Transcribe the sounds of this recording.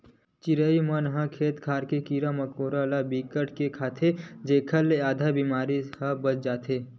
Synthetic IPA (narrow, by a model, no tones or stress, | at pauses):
t͡ʃɪɾəimənɦãkʰeːt̪kʰaːɾkekiːɾamɐkoːɾalabiːkəʈkekʰaːt̪ʰed͡ʒeːkʰəlːeaːd̪ʱabimaːɾihə̃bət͡ʃd͡ʒaːt̪ʰeː